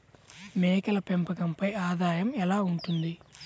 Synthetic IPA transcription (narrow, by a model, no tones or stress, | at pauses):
mɛːkɐlɐpɛmpɐɡɐmpɐjaːd̪aːjɐmɛlaːuɳʈund̪i